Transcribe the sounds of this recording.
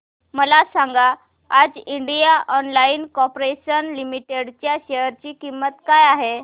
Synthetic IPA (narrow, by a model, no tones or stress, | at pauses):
məlasaŋɡa | ad͡ziɳɖijaʔɔnlainkɔpɾeɕənlimiʈeɽt͡ɕjaɕejəɾt͡ɕiːkimːət̪kajaɦe